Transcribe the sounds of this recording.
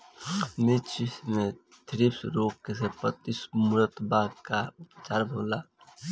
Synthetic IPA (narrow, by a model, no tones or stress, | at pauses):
mɪt͡ʃismẽ | t̪ʰɾipsɾoːkːesepət̪ismʊɾət̪bakat͡ʃaːɾbʱoːla